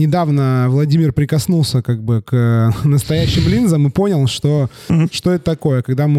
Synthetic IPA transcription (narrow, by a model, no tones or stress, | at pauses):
nʲɪd̪avnəvlˠɐdʲimʲɪrpɾʲɪkɐsnulˠsʲəkaɡ̚bɨknəst̪ɐjæɕːɪmlʲinzəmɨpo̞nʲɪlˠʂt̪o̞ | ʂt̪o̞ɛt̪ət̪ɐko̞jəkɐɡd̪amɨ